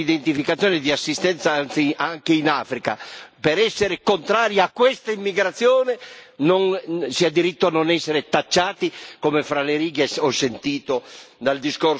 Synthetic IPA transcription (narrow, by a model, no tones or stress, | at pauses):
id̪ent̪ifikat̪sːjɔːned̪iasːist̪ɛnt̪sansiaŋkeinaːfɾika̰peɾɛsːeɾekont̪ɾaːɾjaaːkːwɛst̪aimːiɡɾat̪sːjoːnenonsiad̪iɾit̪ːoanːonɛsːeɾet̪at͡ʃːaːt̪ikomefɾaleɾiːɡeɔsːent̪iːt̪od̪ald̪iskor